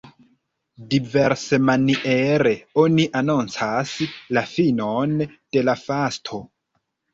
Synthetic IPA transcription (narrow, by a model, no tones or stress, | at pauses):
dive̞ɾse̞maniʔeɾe̞o̞niʔanont͡saslafino̞nd̥e̞lafastʰo̞